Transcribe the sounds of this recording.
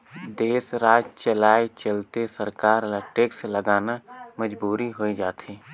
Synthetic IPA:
d̪eːsɾaːd͡ʒt͡ʃəlaːet͡ʃəlt̪esəɾkaːɾləʈeːkseləɡaːnaməd͡ʒbuːɾiɦoːed͡ʒaːt̪ʰeː

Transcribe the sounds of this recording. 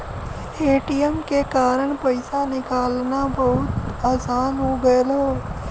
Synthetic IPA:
eːʈijəmkekaːɾəɽ̃pəɪsanɪkaːlnabɐɦʊt̪aːsaːnɦoɡɐelɦɛ

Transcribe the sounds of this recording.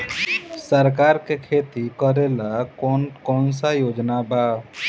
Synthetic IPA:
səɾkaɾkekʰet̪ikəɾelakɔnkɔːnsajoːd͡ʒnaba

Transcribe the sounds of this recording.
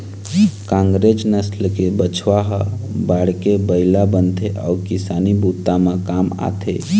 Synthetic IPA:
kãŋɡɾed͡ʒnəslkebət͡ʃʰʋaɦəbaɽkebəɪlabənt̪ʰeʔa̰ukisanibut̪ːamãkama̰t̪ʰe

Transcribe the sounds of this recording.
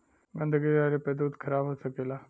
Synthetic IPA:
ɡənd̪ʱəɡiaɾeped̪uːd̪kʰəɾabəsəkela

